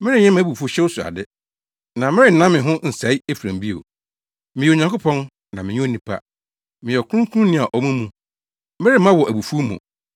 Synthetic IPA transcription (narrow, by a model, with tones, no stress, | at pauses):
mɪ̃˦ɾɪ̃˦ɲɛ̃˦mã˦bu˨fu˦ɕɛ˦o˦sʊ˨a̰˨dɪ˦ | nã˨mɪ̃˦ɾɪ˦˨nã˦mɪ̃˨ɦʊ̃˦n̩˨sa˨˦i˦e˦fu˨ɾã˨mbi˦o̰˨ | mɪ̃˨jo˨ɲã˨ko˦pʰɔ̃˦n | nã˨mɪ̃˨ɲũ˦o˦nĩ˨pʰa̰˦ | mɪ̃˨jɛ˨kʰʊ˦ũ˦kʰũ˦nɪ̃˦a˨ʔɔ˨mũ˦mũ˨ | mɪ˦ɾɪ˦mã˦wɔ˨ʔæ˨bu˨fu˦mṵ̃˨